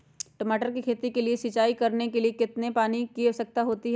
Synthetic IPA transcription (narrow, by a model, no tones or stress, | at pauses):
ʈɐmaːʈəɾkikʰeːt̪ikeliesɪt͡ʃaːikɐɾnekeliekɪt̪nepaːnikiosɐk̚t̪aɦoːt̪iɦ